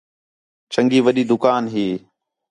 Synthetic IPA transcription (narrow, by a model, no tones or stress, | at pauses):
t͡ʃəŋɡiːʋəɗiːd̪ʊkaːnɦiː